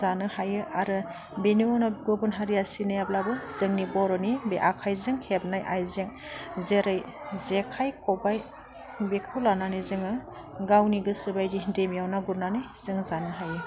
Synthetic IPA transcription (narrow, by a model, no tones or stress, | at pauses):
zanɯhajɯʔaɾɯ | beniɔnɔɡobɯnɦaɾijasinajablabɯz̥ɯŋnibɔɾɔnibeʔakʰajzɯŋhep̚najʔajzeŋ | zeɾɯj | zekʰajkʰɔbaj | bekʰɯwlananɯzɯŋɯ | ɡawniɡɯsɯbajdidemjawnaɡuɾnanɯjz̥ɯŋzanɯɦajɯ